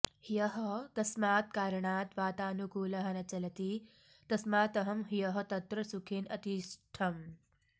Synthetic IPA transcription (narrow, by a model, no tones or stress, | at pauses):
hijɐɦɐkɐsmaːt̪̚kaːɾɐɳaːt̪ʋaːt̪aːnukuːlɐɦɐnɐt͡ʃɐlɐt̪iː | t̪ɐsmaːt̪ɐɦɐmɦijɐɦɐt̪ɐt̪ɾɐsukʰinɐ̰t̪iʃʈʰɐm